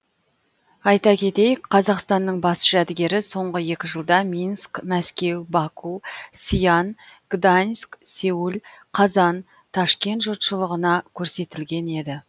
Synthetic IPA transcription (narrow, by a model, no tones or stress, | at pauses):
ɑjt̪ɑkʲʰe̞t̪e̞jɪkqʰɑzɑqst̪ɑnːəɴbɑsʒæd̪ɪɡʲe̞ɾɪso̞ɴʁəje̞kʲɪʒəlˠd̪ɑmʲinskmæskʲe̞wbɑkʰusʲijanɡ̥d̪anʲskse̞ulʲqʰɑzɑn | t̪ʰɑʃkʲe̞nt̪ʒot̪ʃəlˠəʁənɑkʲʰɵɾse̞t̪ɪlɡʲe̞ne̞d̪ɪ